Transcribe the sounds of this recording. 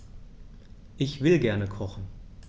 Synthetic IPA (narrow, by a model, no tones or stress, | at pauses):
ʔɪçv̥ɪlɡɛɐnəkʰɔχn̩